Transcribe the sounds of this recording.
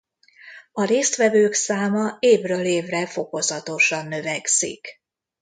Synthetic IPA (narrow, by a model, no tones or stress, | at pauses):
ɒɾeːst̪ʋɛvøːksaːmɒeːvrøːleːvrɛfo̞ko̞zɒt̪o̞ʃɒnːø̞vɛksḭk